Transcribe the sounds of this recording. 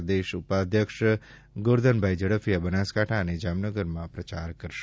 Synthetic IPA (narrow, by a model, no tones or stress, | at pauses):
d̪eʃupad̪jəkʃ | ɡoɾd̪ənbʱajd͡ʒəɽəfʰijabənaskaʈʰaəned͡ʒamnəɡəɾmãpɾət͡ʃaɾkəɾʃ